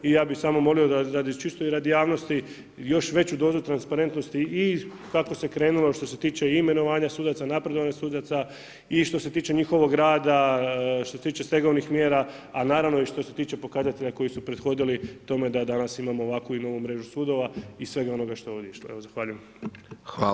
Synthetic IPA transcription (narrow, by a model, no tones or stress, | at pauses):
ijaːbixsamo̞mo̞liod̪ad̪ad̪it͡ʃist̪uiɾad̪jaːʋno̞st̪i | jo̞ʃʋe̞t͡ɕud̪o̞ːzut̪ɾanspaɾe̞nt̪no̞st̪ii | kako̞se̞kɾe̞ːnulo̞ʃt̪o̞se̞t̪iːt͡ʃe̞imeno̞ʋaːɲasuːd̪at̪sanapɾe̞d̪o̞ʋaɲasuːd̪at̪sa | iʃt̪o̞se̞t̪iːt͡ʃe̞ɲixo̞ʋo̞ɡɾaːd̪aʃt̪oset̪iːt͡ʃe̞st̪e̞ɡo̞ʋnixmjeːɾa | anaːɾaʋno̞iʃt̪o̞se̞t̪iːt͡ʃe̞po̞kazat̪e̞ʎako̞jisupɾe̞d̪xo̞d̪ilit̪o̞me̞d̪ad̪anasimamoːʋakuino̞ːʋumɾe̞ːʒusud̪o̞ʋaisʋe̞ɡao̞no̞ɡaʃt̪o̞o̞ːʋd̪ʲeiʃloe̞ʋozaxʋaːʎujem | a